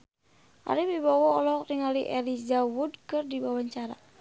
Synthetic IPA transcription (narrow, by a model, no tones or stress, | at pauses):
ʔa̰ɾibibawɔɔlɔkriŋaliʔɛlizawudkɨrdibawaɲt͡ʃaɾa̰